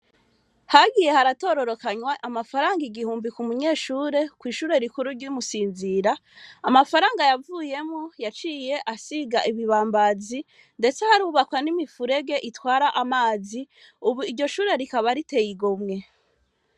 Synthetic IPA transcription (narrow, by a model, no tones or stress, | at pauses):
haɡije̞haɾato̞ːɾo̞ɾo̞kaɲwaʔamafaɾaːŋɡiɡihuːmbikumuɲe̞ːʃuːɾe̞kwiːʃuːɾe̞ɾikuɾuɾɟumusiːnziɾaː | mafaɾaːŋɡajavuje̞mojat͡ʃije̞ʔasiɡaʔiβiβaːmbazi | nde̞t͡sehaɾuβakwanimifuɾe̞ɡe̞ʔitwaːɾaʔamaːzi | uβuiɾɟo̞ʃuːɾe̞ɾikaβaɾite̞jiɡomŋe̞